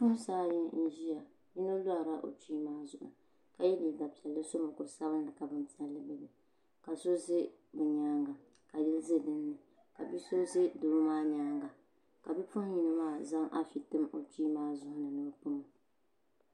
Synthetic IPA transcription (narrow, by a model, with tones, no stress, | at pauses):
pʊ˦saː˦jɪ˦n̩˦ʒi˦ja˨ | ji˦no˦lʊ˦a˨ɾa˦ʔo̰˨ti˦maː˦zʊ˨ʔʊ̰˨ | ka˨jɛ˦li˨da˨pi˨ɛ˨lːɨ˦so˦mo˨kʊ˨ɾsa˦bɨ˦n˦dɨ˨ka˨bɨ˦n˦pi˦ɛ˨lːɨ˦bɨ˦bɨ˨ | ka˨so˦zɪ˦bɨ˨ɲaː˦ŋɡa˨ | ka˨dɪ˦lzɪ˦dɨ˦nːɨ˨ | ka˨bi˦so˦zɪ˦doː˨˦maː˦ɲaː˦ŋɡa˨ | ka˨bi˦pʊ˦hji˦no˦maː˦˨za˦ŋʔa̰˦fi˨tɨ˦mo̰˨ti˦maː˦zʊ˦hʊ˦nɨ˨nɨ˨bpʊ˦ŋɨ˨